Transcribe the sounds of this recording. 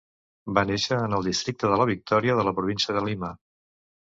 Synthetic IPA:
baneʃəːnəlˠd̪ist̪ɾik̚t̪əðələβ̞ik̚t̪ɔɾiəðələpɾuβinsiəðəlima

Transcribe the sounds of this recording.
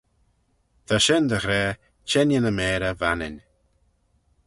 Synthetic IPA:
d̪aʃɪnd̪əɣɾɛː | t͡ʃɛnənəmɛːɾəvanɪ̰nʲ

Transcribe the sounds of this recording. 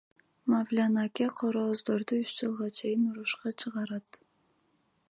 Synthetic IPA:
mavlʲanakʲeqʰoɾoːzd̪oɾd̪uyt͡ʃd͡ʒɨlˠʁɑt͡ʃʰe̞jɪnuɾuʃqɑt͡ʃʰɯʁɑɾɑt̪

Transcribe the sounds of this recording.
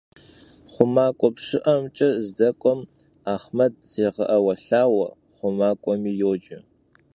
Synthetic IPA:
χʷʊmaːkʷʼɔpʂɨʔɐmt͡ʃʼɐzdɐkʷʼɔm | aːχmɐd̚z̥eːʁɐʔɐwɐɬaːwɐ | χʷʊmaːkʷʼɔmiːjoːd͡ʒɪ

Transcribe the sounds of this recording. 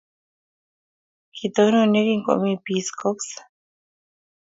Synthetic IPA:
kit̪ononekiŋko̰ʔmipiskoks

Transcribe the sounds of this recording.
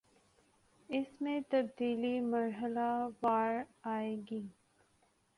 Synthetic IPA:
ɪsmẽt̪ɐbd̪iːlimɐɾɦəlaʋaːɾaːeːɡiː

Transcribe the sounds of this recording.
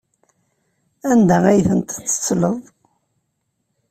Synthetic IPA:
ænd̪æʁæjθənt̪t͡sːə̥t͡sːləðˤ

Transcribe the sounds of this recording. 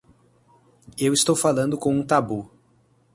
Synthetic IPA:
ewist̪owfalɐ̃nd̪ʊkõw̃ũt̪abu

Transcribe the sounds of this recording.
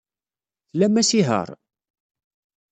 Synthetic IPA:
θlæmːæsiɦə̰ɾˤ

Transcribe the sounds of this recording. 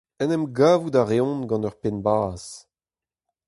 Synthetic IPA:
ɛnɛmɡaːvudaʁeɔ̃nɡɑ̃nœʁpenbaːz̥

